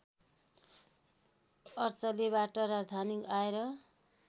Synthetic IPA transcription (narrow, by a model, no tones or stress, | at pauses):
ʌrt͡sʌleβaʈʌɾad͡zd̪ʱanikaeɾʌ